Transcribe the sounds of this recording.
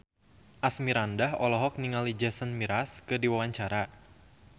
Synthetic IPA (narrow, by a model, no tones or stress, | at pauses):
ʔasmiɾandaɦɔlɔɦɔk̚niŋalid͡ʒɛsənmiɾaskɨrdiwawaɲt͡ʃaɾa